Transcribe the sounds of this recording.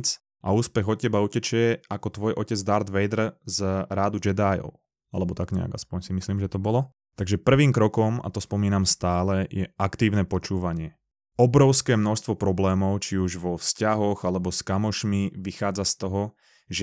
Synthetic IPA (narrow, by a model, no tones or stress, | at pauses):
t͡s | ʔauːspɛɣɔcɛbaucɛt͡ʃɪɛakɔt̪ʋɔjʔɔcɛd͡zd̪aɾd̪ʋɛjd̪r̩zɾaːd̪ud͡ʒɛd̪aːjɔ̰ʊ | a̰lɛbɔt̪aɡɲɛ̰a̰ɡa̰spɔɲsimisliːmʒɛt̪ɔbɔlɔ | t̪aɡʒɛpr̩ʋiːmkɾɔkɔma̰t̪ɔspɔmiːnamst̪aːlɛjɛ̰ʔakt̪iːʊnɛpɔt͡ʃuːʋaɲɪɛ | ɔbɾɔʊskɛːmnɔʃst̪ʋɔpɾɔblɛːmɔʊt͡ʃiuʒʋɔfscaɦɔɣalɛbɔskamɔʃmiʋixaːd͡zast̪ɔɦɔ | ʒ